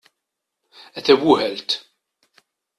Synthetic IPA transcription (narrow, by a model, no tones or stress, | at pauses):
ɛt̪ɛwʊhɛlt̪